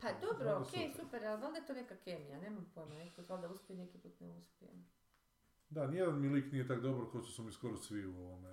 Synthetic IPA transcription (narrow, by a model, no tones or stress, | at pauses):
pad̪obɾooskejsupeɾalzaːld̪ajet̪one̞kakemijane̞ːmampojmonekakozaːld̪auspʲjemnekipuːt̪nḛuspʲijḛm | d̪anijed̪anmiliːknijet̪akd̪obaɾkauʃt̪osomiskoɾosʋiuoʋome